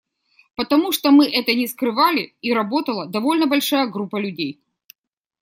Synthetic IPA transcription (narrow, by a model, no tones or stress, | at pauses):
pət̪ɐmuʂt̪omɨʔɛt̪ənʲɪskɾɨvalʲɪiɾɐbo̞t̪əlˠəd̪ɐvo̞lʲnəbɐlʲʂajəɡɾupːəlʲʉdʲej